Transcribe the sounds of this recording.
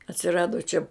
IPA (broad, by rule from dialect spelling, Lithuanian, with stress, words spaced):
ɐtʲsʲɪˈrɑːdoː t͡ʃʲɛ